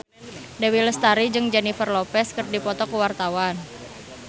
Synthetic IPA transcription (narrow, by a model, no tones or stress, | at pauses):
dawiləst̪aɾid͡ʒɨŋd͡ʒɛnifərlɔpɛskərdipɔt̪ɔkəwart̪awan